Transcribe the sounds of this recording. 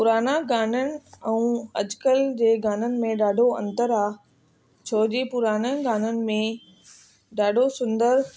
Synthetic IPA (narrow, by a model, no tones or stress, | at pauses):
pʊɾaːnaɡaːnənɪ̆ɛ̃ũɐd͡ʑkəld͡ʑeːɡaːn̤ənɪ̆mẽɗaːɖʱoɐ̰̃nt̪əɾaː | t͡ɕʰoːd͡ʑipʊɾaːnaɡaːn̤ənɪ̆mẽ | ɖaːɖʱosʊ̃nd̪əɾ